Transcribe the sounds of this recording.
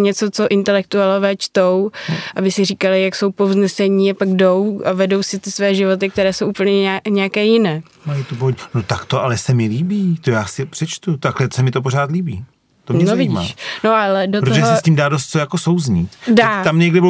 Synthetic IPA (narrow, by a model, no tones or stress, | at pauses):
ɲɛt͡sot͡so̞ʔɪnt̪ɛlɛk̚t̪ualovɛːt͡ʃt̪o̞wʔabɪsɪriːkalɪjakso̞wpovznɛsɛɲiːapaɡdo̞wavɛdo̞wsɪt̪ɪsvɛːʒɪvo̞t̪ɪk̚t̪ɛɾɛːsowʔupl̩ɲɛaɲɛakɛːjɪnɛː | majit̪oboɦoɲɛnot̪akt̪oʔalɛsɛmɪliːbiːt̪ojaːsɪpr̥ɛt͡ʃt̪ut̪aklɛtsɛmɪt̪opoɾaːt̪liːbiː | t̪ommɲɛnovɪma̰ʃnoʔalɛdotɾot̪oʒɛɦɛsɛsciːmdaːdos̬t̪̚t͡sojakosowzɲit̪daːt̪amɲɛɡdɪbɪ